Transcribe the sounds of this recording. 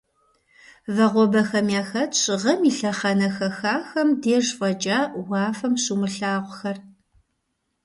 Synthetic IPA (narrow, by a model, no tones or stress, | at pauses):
vɐʁʷɔbɐxɐmjaːxɐɕʁɐmiɬɐχɐnɐxɐxaːxɐmdeːʐfɐt͡ʃʼaːwɑːfɐmɕumɨɬaːʁʷʊxɐr